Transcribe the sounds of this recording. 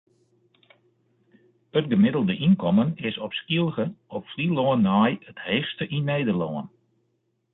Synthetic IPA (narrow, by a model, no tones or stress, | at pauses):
ət̚ɡəmɪdəlˠdəʔinkɔmənɪsɔpskilˠɣəɔpfliloənajətheːxstəʔinːeːdəlɔən